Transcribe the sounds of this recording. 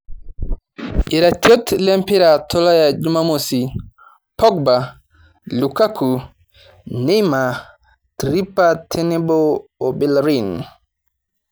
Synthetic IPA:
iɾatjɔtlɛmpiɾatʰɔlajad͡ʒumamosi | pɔɡ̚ba | lukakʰu | nijma | tɾipatʰɛnɛbɔobilɾin

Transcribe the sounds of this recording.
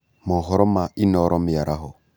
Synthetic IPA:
mɔɦɔɾɔmainɔɾʔɔmɪjaɾʔaɦɔ

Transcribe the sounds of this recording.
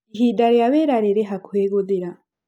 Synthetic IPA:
ɦidaɾeaβeɾaɾeɾeɦakweːɡod̪eɾa

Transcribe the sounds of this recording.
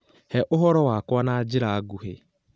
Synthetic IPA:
hɛʔʊɦɔɾɔwakwanaad͡ʒɪɾaaɡuɦe

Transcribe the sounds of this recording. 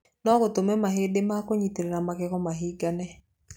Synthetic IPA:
nɔɣotomɛmaɦedemakoɲiteɾeɾamaɣɛɣɔmaɦiɡanɛ

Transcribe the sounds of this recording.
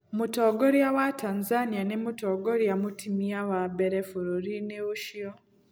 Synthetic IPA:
mutoɡoɾjawatʰanzanianemutoɡoɾjamutimiawabeɾefuɾuɾineuʃio

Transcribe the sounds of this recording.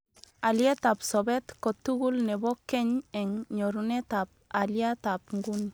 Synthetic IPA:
aliet̪apsɔbɛt̪kɔt̪ːuɡulnɛbɔkːɛɲɛŋɲɔɾunɛt̪ap̚ | aliat̪apŋɡun

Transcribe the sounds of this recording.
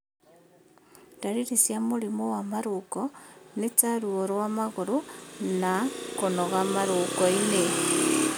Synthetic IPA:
daɾiɾisjamulimowamaɾukonet͡saɾuoɾwamaɣuɾunakonoɣamaɾukoine

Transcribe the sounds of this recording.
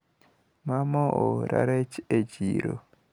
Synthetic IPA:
mamɔoɾa̰ɾet͡ʃed͡ʒiɾo̰

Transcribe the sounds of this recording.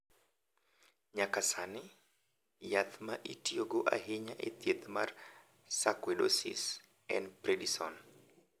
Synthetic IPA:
ɲakasanɪ | jat̪maʔitioɡoʔa̰ɦɪɲaʔet̪jet̪mar | sakwedo̰sḭs | ɛ̰npɾedisɔn

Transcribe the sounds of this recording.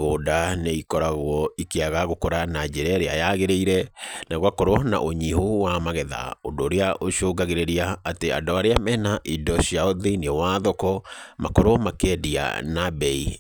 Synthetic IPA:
ɣoːdaneikɔɾaɣwɔikeaɣaɣokoɾanad͡ʑeɾɛɾeajaɣeɾeiɾɛnaɣwakoɾwɔna̰ʔoɲihuwamaɣɛða̰odoːɾeaʔoʃoɡaɣeɾeɾiaːtea̰doaɾeamɛːnaʔidɔɕiaoðeiniɔwaðɔkɔmakoɾomakɛdia̰nabɛi

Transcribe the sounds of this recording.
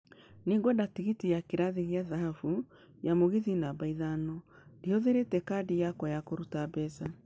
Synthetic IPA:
neŋɡwɔdatiɣitijakeɾaðiɣeaðaɦafu | jamoɣiðinabaiðanɔ | dioðeɾetɛkadijakwajakoɾutabɛsa

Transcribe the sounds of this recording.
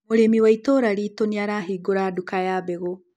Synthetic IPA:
moɾemiwaitoɾaɾiːtoniaɾaɦiːɡoɾaːdukajaːbɛɣo

